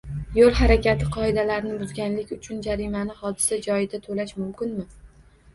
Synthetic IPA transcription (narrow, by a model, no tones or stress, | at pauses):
jolˠhaɾakʲat̪ʰɪqʰɒɪd̪alaɾɪnɪbʊzɡʲanlɪkʲʊt͡ʃʰʊnd͡ʒaɾimanɪhɒd̪ɪsad͡ʒɒjɪd̪at̪ʰolaʃmʊmkʲɪnmɪ